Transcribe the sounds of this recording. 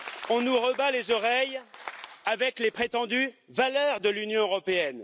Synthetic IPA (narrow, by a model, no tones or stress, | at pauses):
ɔ̃nuʁəbalezɔʁɛj | avɛklepχet̪ɑ̃d̪yvalœʁd̪əlynjɔ̃øʁɔpeɛn